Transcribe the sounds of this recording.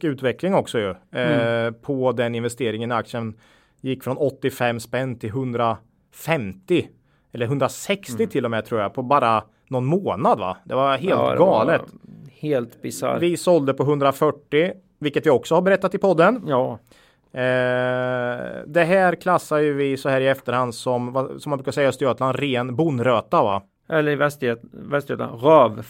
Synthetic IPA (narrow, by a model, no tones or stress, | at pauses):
ʉ̟ːt̪vɛklɪŋɔksɔjɵ | pʰɔd̪ɛnɪnvɛst̪eːɾɪŋənak̚t̪sən | jɪkːfɾɔnɔt̪ːɪfɛmːspɛnːt̪ʰɪlɦɵnd̪ɾa | fɛmt̪ɪ | ɛlːəɾɦɵnd̪ɾasɛksɪt̪ʰɪlːɔmɛt̪ʰɾuːɾjapʰɔbɑːɾa | nɔnmoːnad̪va̰d̪ɛvaɦeːlɡɑːləttheːlt̪bɪsa̰vɪsɔld̪əpʰɔɦɵnd̪ɾafœʈːɪ | vɪlkːət̪vɪɔksɔhaɾbɛɾɛt̪ːat̪ɪpʰɔd̪ːənj | d̪ɛɦæːɾkʰlasːajɵvɪsɔhæːɾɪɛft̪əɾhand̪sɔmvasɔmːanbɾʉkaɾʂɛjːaəst̪ɪøːt̪land̪ɾeːnbʊnɾøːt̪ava̰ | ʔɛlːəɛst̪ːvɛst̪eːt̪ɾøːv